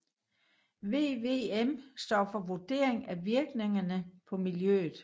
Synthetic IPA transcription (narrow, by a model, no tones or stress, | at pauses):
ʋe̝̰ːʋe̝emsd̥ɒ̰ːfɒ̽ʋud̥e̝̰ɐ̰eŋæʋiɐɡ̥ne̝ŋɐnəpʰɒ̽miljø̰ːð̩ˠ